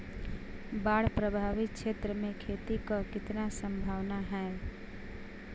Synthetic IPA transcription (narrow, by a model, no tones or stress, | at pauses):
baɽ̤pɾəbʱaʋit̪̚t͡ʃʰet̪ɾəmẽkʰet̪ikəkɪt̪nasə̃mbʱaʋnaɦɛ